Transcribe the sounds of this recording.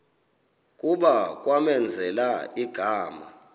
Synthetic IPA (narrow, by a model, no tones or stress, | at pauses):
k̬ʼuɓak̬ʼwamɛnd͡zʱɛlaiɡ̥ʱaːma